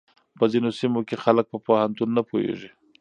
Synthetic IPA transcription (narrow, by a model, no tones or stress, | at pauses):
pəzinosimokexalək̚pəpahant̪unːapohḛʐi